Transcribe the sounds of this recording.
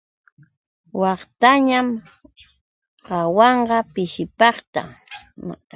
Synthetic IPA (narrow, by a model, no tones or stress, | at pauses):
wɑχt̪aɲam | qɑwɑɴɢɑpɪʃɪpɑχt̪a̰